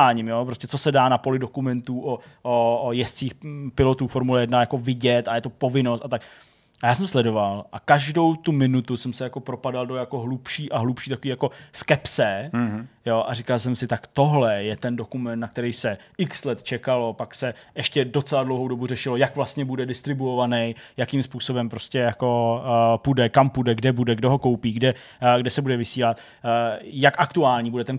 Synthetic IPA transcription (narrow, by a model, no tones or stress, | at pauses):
aːɲimjopɾoscɛt͡so̞sɛdaːnapo̞lɪdo̞kumɛnt̪uːʔoʔojɛst̪t͡siːxpɪlo̞t̪uːfoɾmulɛjɛdnajako̞vɪɟɛt̪ajɛt̪o̞po̞vɪnost̪at̪ak | ajaːs̬ɛmslɛdo̞valʔakaʒdo̞wt̪umɪnut̪usɛmsɛjako̞pɾopadaldojako̞ɦlupʃiːʔaɦlupʃiːt̪akoviːjako̞skɛpsɛ | jo̞ʔaɾɪkalsɛmsɪt̪akt̪o̞ɦlɛjɛt̪ɛndo̞kumɛnt̪nakt̪ɛɾɛjsɛʔɪkslɛt̪t͡ʃɛkalo̞paksɛʔɛʃcɛdo̞t͡sɛladlowɦowdo̞burɛʃɪlo̞jakvlast̪ɲɛbudɛdɪst̪ɾɪbuovanɛjjakimspuːso̞bɛmpɾo̞scɛjako̞pudɛkampudɛɡdɛbudɛɡdoɦo̞kowpiːɡdɛ | ɡdɛsɛbudɛvɪsiːlat̪ː | jakʔakt̪uaːlɲiːbudɛt̪ɛn